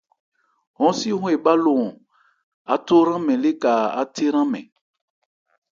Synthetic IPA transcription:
hɔ̃˨˦si˦ɦũ˦e˨ba˦lõ˨ | a˨to˦ɾã˦mɛ̃˨le˦ka˨a˦tʰe˦ɾã˦mɛ̰̃˨

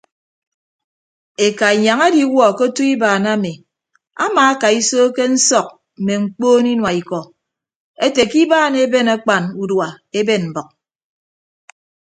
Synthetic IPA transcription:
e˨ka˨i˨ɲa˨ŋa˦di˨˦wɔ˦˨ko˦tu˦i˦baː˨na˦me˨ | a̰˦maː˨a˦ka˨i˦soː˦ke˦n̩˦sɔ˨k̚ | m̩˨me˨ŋ͡m̩˨˦k͡poː˦ni˦nwa˨i˨kɔ˨ | e˦te˨ki˦baː˦˨ne˦be˦na˦k͡pa˨nu˨dwa˨ | e˦be˦˨nm̩˨bɔ˨k̚

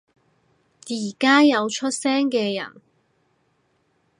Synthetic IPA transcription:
jiː˨˩kaː˥jɐ˨˧wt͡ʃʰɵ˥t̚sɛː˥ŋkɛː˧jɐ̰˨˩n

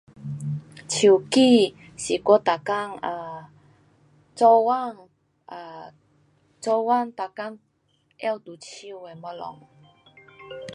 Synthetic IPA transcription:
t͡ɕʰi˨˩˨ki˥˧˨ | ɕi˨kɔ˦t̪a˨˩ka˥˨ŋa˧˩ | t͡sɔ˧wa˥˨ŋ | a˧ | t͡sɔ˧wa˥˨ŋt̪a˨ka˥ŋ | ɛ˥˧˨wt̪u˨˩t͡ɕʰi˧˨e˨ma˧lɔ̰˨ŋ

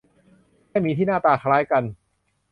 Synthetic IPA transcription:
aː˥˩jmiː˧t̪ʰi˥˩naː˥˩t̪aː˧˩kʰa˧laː˦˥jka˧n

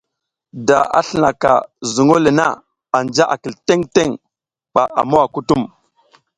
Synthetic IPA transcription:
da˨a̰˨ɬə˨na˨ka̰˨zu˨ŋo˦le˨na̰˦˨ | a˨nd͡ʒa˦ʔa˨ki˨lte˦ŋte˦ŋ | ɓa˨ʔa̰˨mo˦wa˨ku˦tu˦m

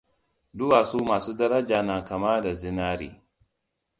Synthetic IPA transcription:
du˦wa˨su˦maː˨suː˦da˦ɾa˦d͡ʒa˨na˨ka˨ma˦da˨zi˦na˦ɾḭ˨

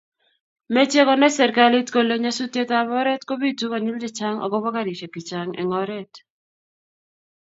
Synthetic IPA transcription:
mɛ˦t͡ʃje˦kɔ˦nɛ˦sɛ˨ɾka˦li˦tko˨lo˦ɲa˦su˦tje˦ta˦βɔ˦ɾɛ˦tko˦bi˦tu˦kɔ˨ɲi˦ld͡ʒɛ˨t͡ʃa˦ŋɔ̰˨ɡɔ˦bɔ˦ka˦ɾi˨t͡ʃɛ˨kɪ˨t͡ʃa˨ŋɛ̰˨ŋɔ˦ɾɛ˦t

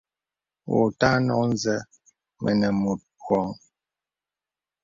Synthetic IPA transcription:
wo̰˨ta˦nɔ˨n̩˦zə˦ | mʔə̰˨nə˨mu˨t̚pwɔ˨˦ŋ

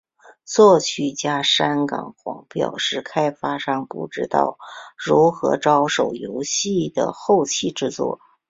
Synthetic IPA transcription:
t͡swɔ˥˧t͡ɕʰy˥˩t͡ɕja˥ʂa˥nkɑ̰˨˩ŋkwɑ̰˧˥ŋpjɑ̰˨˩ʊʂɻ̩˥˩kʰa˥ɪfa˥ʂɑ˥˧ŋpu˥˩ʈ͡ʂɻ̩˥t̪ɑ̰˥˩ʊɻu˧˥xɤ˧˥ʈ͡ʂɑ˥ʊʂo˨˩ʊjo˧˥ʊɕi˥˩d̪ə̰˩xo˥˧ʊt͡ɕʰi˥˧ʈ͡ʂɻ̩˥˧t͡swɔ̰˥˩

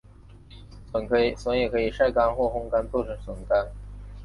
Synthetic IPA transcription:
ə˧˥nkʰɤ˧˥i˨˩swə˧˥ŋjɛ˨˩kʰɤ˧˥i˨˩ʂa˥˩ɪka˥nxwɔ˥˩xʊ˥ŋka˥nt͡sɔ˥˩ʊʈ͡ʂʰɤ˧˥ŋswʊ˨˩ŋka˥n

